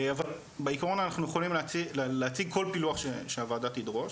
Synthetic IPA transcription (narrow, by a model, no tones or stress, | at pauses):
aval | beikaʁo̞nanaχnujeχolimlt͡sileleat͡siɡ̚kʰo̞lpiluaχʃeʃeavaːdat̪idʁo̞ʃ